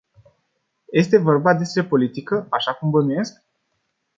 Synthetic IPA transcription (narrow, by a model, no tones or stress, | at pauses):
je̞st̪e̞vo̞rbad̪e̞spɾe̞po̞lit̪ikəaʃakumvəmine̞sk̚